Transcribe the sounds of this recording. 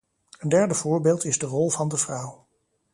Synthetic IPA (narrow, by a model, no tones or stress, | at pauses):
əndɛɹdəv̥ʊːɹbeːlˠtɪzdərɔlˠvɑndəvrʌw